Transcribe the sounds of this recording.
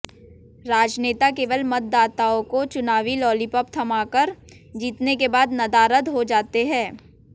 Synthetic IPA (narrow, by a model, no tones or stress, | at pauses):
ɾaːd͡ʒneːt̪akeːʋəlmɐt̪̚d̪aːt̪aõkot͡ʃʊnaːʋilɔːlipəp̚t̪ʰɐmaːkəɾ | d͡ʒiːt̪nekebaːd̪nɐd̪aːɾət̪ɦod͡ʒaːt̪eɦɛ̃ː